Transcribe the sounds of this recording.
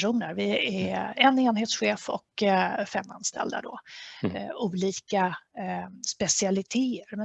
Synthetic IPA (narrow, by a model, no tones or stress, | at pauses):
ʂuːnəɾvɪæɛneːnheːt̪sɧeːfɔ̰kfɛmːa̰nst̪ʰɛ̰ld̪a̰d̪ɔ | uːliːka | spɛsɪalɪt̪ʰeːəɾmɛ